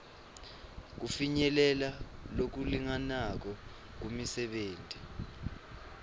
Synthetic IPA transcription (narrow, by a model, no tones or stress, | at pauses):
k̬ufiɲɛlɛlalok̬uliŋanak̬ɔ | k̬umisɛɓeːntʼi